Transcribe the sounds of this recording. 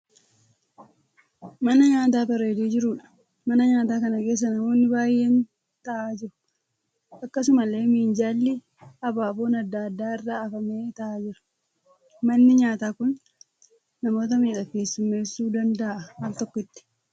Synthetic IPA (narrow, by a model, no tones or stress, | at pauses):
mɐnɐɲaːt̪̬aːbɐɾeːd̪eːd͡ʒɪɾuᶑɐ̥ | mɐnɐɲaːt̪aːkɐnɐke̞ːs̬ːɐnɐmo̞ːnːɪbaːjːe̞ːn | t̪ɐʔaːd͡ʒɪɾʊ̥ | ʔɐkːɐs̬ʊmɐlːe̞ːmiːnd͡ʒaːlːɪ | ɐbaːbo̞ːnɐd̪ːad̪ːaːɪrːaːɐfɐmeːt̪ɐʔaːd͡ʒɪɾʊ̥ | mɐnːɪɲaːt̪aːkʊnː | ɐmo̞ːt̪̬ɐmiːᶑɐke̞ːsːʊmːe̞ːsːuːd̪ɐnd̪ɐʔʔɐwɐlt̪ɔkːɔɪt̪ːɪ̥